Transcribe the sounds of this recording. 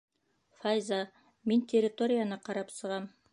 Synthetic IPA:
fajza | mint̪ʲerʲɪt̪o̞ɾʲɪjanɑqɑɾɑpsɤ̆ʁɑm

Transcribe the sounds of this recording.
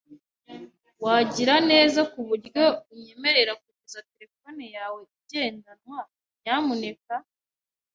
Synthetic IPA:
waɟiɾane̞ːzakuβuɾjo̞βuɲe̞me̞ɾe̞ɾakuɟezate̞ɾe̞fo̞nejaːwe̞ibɟe̞ːndanwa | ɲɲaːmune̞ka

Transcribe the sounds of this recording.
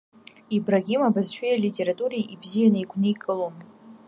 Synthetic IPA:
ibraɡʲimabazʃᶣejalʲitʲʼe̞ɾatʼuɾiʔibzijanɨjɡʷʰnɨikʼɨlom

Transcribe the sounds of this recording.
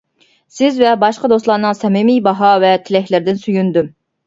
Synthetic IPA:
sɪzvɛbɑʃqəd̪oslˠɑːnɨŋsɛmɪmijbɑɦɑvɛt̪ʰɪlɛhlɪɾd̪ɪnsyjynd̪ym

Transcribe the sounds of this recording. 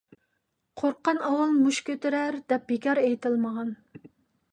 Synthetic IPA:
qʰoɾqːɑnɑwɑlˠmuʃkʲøt̪ɪɾæɾd̪̥ɛp̚bekʲɑɾejt̪ʰɨlˠməʁɑn

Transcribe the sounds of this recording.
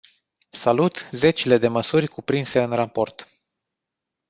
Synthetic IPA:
salut̪ze̞t͡ʃile̞d̪e̞məsurʲkupɾinse̞ɨnrapo̞rt̪

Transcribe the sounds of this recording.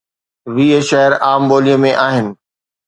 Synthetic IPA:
ʋiːeʃɐɦɪɾaːmboːlijəmẽʔaːɦɪnɪ̆

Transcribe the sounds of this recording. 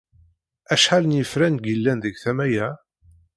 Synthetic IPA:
æʃħalənjəfɾænɡəlːænðəɡθæmæjæ

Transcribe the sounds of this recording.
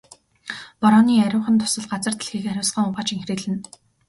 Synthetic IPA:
pɔɾɔːniːæɾʲʊːχə̆nt̪ʰʊ̥sə̆ɮɢat͡sə̆r̥t̪ʰĕ̥ɮxiːkæɾʲʊːsχə̆ŋʊʁaːt͡ɕiŋxreːɮɘ̆n

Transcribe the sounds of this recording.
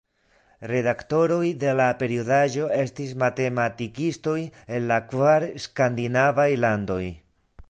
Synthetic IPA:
ɾe̞dakto̞ɾo̞jde̞lape̞ɾiodaʒo̞e̞stis̬mate̞matikisto̞je̞nlakvaɾskandinavajlando̞j

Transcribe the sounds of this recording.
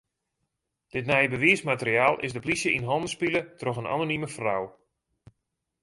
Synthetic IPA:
d̥ɪtnɛjəbəʋiəsmatəɾiaːlˠʔɪ̰zdəplisjəʔinɦɔndəspilətrɔxəna̰noniməfraw

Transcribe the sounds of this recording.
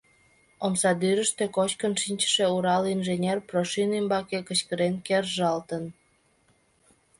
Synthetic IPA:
omsɑd̪yɾəʃt̪økot͡ɕkənʃinʲt͡ɕə̥ʃeuɾɑlinʒenʲerproʃinymbɑkekət͡ɕkəɾenkerʒɑlt̪ən

